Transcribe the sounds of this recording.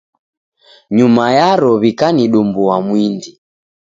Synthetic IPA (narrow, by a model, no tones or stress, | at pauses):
ɲumajaɾɔβikaniɗumbuamwindi